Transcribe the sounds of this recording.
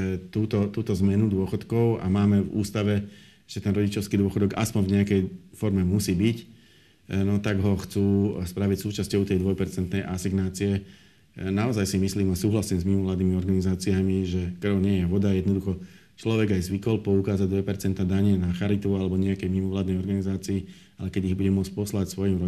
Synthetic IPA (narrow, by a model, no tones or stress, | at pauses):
t̪uːt̪ɔt̪uːt̪ɔzmɛnud̪ʊɔxɔt̪kɔʊa̰maːmɛvṵːst̪aʋɛ | ʒɛt̪ɛnɾɔɟit͡ʃɔʊskid̪ʊɔxɔd̪ɔɡa̰spɔɲvɲɛakɛjfɔɾmɛmusiːbic | nɔt̪aɡɦɔxt͡suːspɾaʋicsuːt͡ʃascɔʊt̪ɛjd̪ʋɔjpɛɾt͡sɛnt̪nɛjʔasiɡnaːt͡siɛ | naɔzajsimisliːmasuːɦlasiːmzmimɔʋlaːd̪niːmiɔɾɡanizaːt͡siamiʒɛkr̩ʊɲɪɛjɛʋɔd̪ajɛd̪nɔd̪uxɔ | t͡ʃlɔʋɛɡajzʋikɔlpɔukaːzaɟ̚d̪ʋɛpɛɾt͡sɛnt̪ad̪aɲɪɛnaxaɾit̪ualɛbɔɲɛakɛjmimɔʋlaːd̪nɛjɔɾɡanizaːt͡siː | alɛkɛɟiɣbuɟɛmʊɔt͡sc̚ʲpɔslacsʋɔjiːmɾɔ